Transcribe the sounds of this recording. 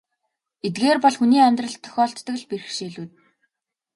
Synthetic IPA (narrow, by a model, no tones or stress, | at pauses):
et̪̚ɡeːrpɔɮxuniːɔmʲt̪rə̆ɮt̪ʰːœ̥xʲɔːɬt̪ːə̆kɮperɘ̆xʃiːɮuːt̪